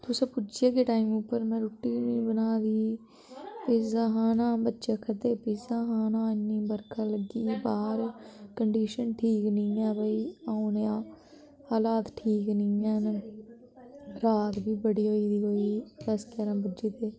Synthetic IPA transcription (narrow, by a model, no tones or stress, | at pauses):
t̪ʊsaːpʊd͡ʒijaːkeʈaːimʊpːəɾmɛ̃ːɾʊʈːiːnibənaːd̪iː | pɪzaɦaːnãːbətːʃaːkʰəd̪eːpɪzaɦãːnãːɪnːĩːbəɾkʰaːləɡiːbaːɾkəɳɖiːʃənʈʰiːknĩːɛːbəiːaːʊ̃njãː | aːlaːt̪ʈʰiːknĩːɛːn | ɾaːt̪biːbəɽiːɦoːiːd̪iːɦoːiːd̪əskɛːɾãːbʊd͡ʒeːt̪eː